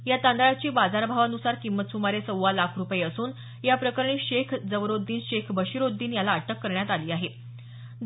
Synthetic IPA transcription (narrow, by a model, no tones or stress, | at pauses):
jat̪and̪aɭat͡ɕiːbad͡zaɾbʱaʋanusaɾkimːət̪sumaɾesəwʋalakʰɾupjeəsuːn | japɾəkəɾɳ̃iːɕekʰd͡zəʋɾod̪ːiːnɕekʰbʱəɕiɾod̪ːiːnjalaːʈəkːəɾɳjat̪aliːaɦe